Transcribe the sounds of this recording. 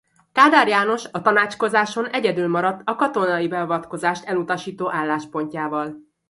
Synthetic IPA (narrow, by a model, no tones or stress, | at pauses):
kaːd̪aːɾjaːno̞ʃɒt̪ɒnaːt͡ʃko̞zaːʃo̞nɛɟɛd̪ylmɒɾɒt̪ːɒkɒt̪o̞nɒjibɛɒvɒt̪ko̞zaːʃt̪ɛlut̪ɒʃiːt̪oːʔaːlːaːʃpo̞ɲcaːvɒl